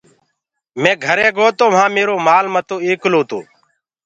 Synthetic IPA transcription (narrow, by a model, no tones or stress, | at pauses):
mẽːɡʱəɾeːɡoːt̪oːʋ̤ãːmeːɾoːmaːlmət̪õːiːklõːt̪o̰ː